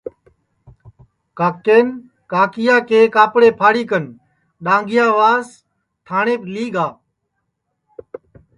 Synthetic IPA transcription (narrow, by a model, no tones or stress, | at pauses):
kaːkeːn | kaːkɪjaːkeːkaːpɽeːpʰaːɽiːkən | ɗãːŋɡɪjaːʋaːz | t̪ʰaːɳeːpliːɡaː